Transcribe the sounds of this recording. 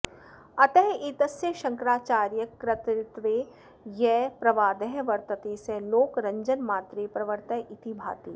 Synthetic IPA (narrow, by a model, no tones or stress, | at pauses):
ɐt̪ɐɦiːt̪ɐsjəʃɐ̃ŋkɾaːt͡ʃaːɾjɐkɾɐt̪ɾɪt̪ʋe | jɛːpɾɐʋaːd̪ɐɦʋɐɾt̪ɐt̪eːseloːkɾɐ̃ɲd͡ʒənmaːt̪ɾepɾɐʋəɾt̪ɐɦʔɪt̪ibʱa̰ːt̪iː